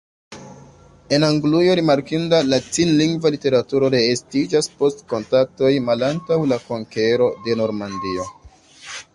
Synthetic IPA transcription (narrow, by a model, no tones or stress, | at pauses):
e̞naŋɡlujo̞ɾimaɾkindalat͡sinliŋɡvalite̞ɾatuɾo̞ɾe̞ːstid͡ʒaspo̞stko̞ntak̚to̞jmalantawlako̞ŋke̞ɾo̞de̞no̞ɾmandio̞